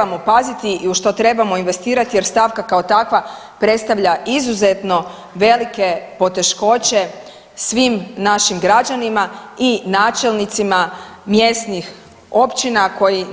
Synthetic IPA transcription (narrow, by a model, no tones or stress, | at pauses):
mo̞pazit̪iːuʃt̪o̞t̪ɾe̞bamo̞inʋe̞st̪iːɾat̪ije̞ɾst̪aʋkakaot̪akʋa | pɾe̞t̪st̪aʋʎaʔizuze̞t̪no̞ | ʋe̞like̞po̞t̪e̞ʃko̞t͡ɕe̞ | sʋimnaʃimɡɾad͡ʑanimainaːt͡ʃe̞lnit̪simamje̞st̪nix | o̞pt͡ɕinako̞ji